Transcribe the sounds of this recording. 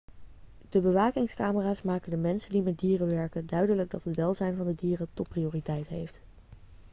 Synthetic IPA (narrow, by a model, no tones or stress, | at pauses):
d̥əbəʋaːkɪŋskaːməraːsmaːkəndəmɛnsəndimɛt̚diːrəʋɛɹkəndœɥdələɡ̚dɑtɦətʋɛːlˠzɛjnvɑndədiːrətɔt̚priʊːritɛjtɦḛjft